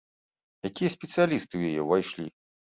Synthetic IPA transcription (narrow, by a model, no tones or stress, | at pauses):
jakʲijɐsʲpʲɛt̪sɨjalʲist̪ɨwjajɛvajʂlʲḭ